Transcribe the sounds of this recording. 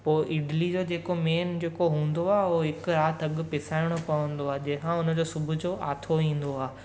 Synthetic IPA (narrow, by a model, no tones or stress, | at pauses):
poːʔɪɖlid͡ʑoːd͡ʑeːkomeːnd͡ʑeːkoɦũːn̆d̪oaːɦoɦɪkʊɾaːt̪ʰɐɠʊpɪsaːɪɽ̃opɐʋə̃n̆d̪oaːɦd͡ʑɐ̃ɦɪ̃kʰãʊnə̆d͡ʑoːsʊbʱʊd͡ʑoːʔa̰ːt̪ʰoĩːn̆d̪oaː